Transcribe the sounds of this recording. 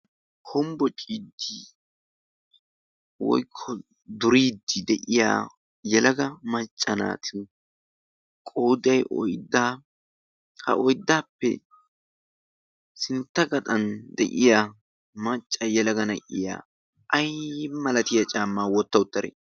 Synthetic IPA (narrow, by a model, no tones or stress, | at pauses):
kʰɔmbɔt͡ʃʼiːd̪ːi | wɔ̰jkʰːɔ | d̪ʊɾiːd̪ːɪd̪ɛʔɪja̰ː | jɛlɐɡɐmɐt͡ʃʼːɐna̰ːt̪ʰɪ | kʼowd̪ɐjʔɔ̰jd̪ːaː | hɐ̰ʔɔjd̪ːaːpːɛ̰ | sɪnt̪ːɐɡɐt̪ʼɐnd̪ɛ̰ʔɪja | mɐt͡ʃʼːɐjɛlɐɡɐnɐʔɪja̰ː | ʔɐjmɐlɐt̪ɪjat͡ʃʼaːmːaːwɔt̪ːɐwʊt̪ːɐɾɛ̰